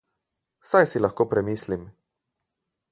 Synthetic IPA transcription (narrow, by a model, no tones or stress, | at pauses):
sajsilaxkoːpɾɛmiːslim